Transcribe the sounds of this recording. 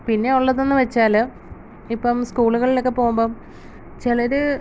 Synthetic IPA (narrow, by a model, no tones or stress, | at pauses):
pinːe̞oɭːɐðo̞nːɨʋɐt͡ɕːaːlo | ipːɐmskuːɭuɣɐɭilo̞kːe̞po̞ːɣumboːm | t͡ɕilɐɾu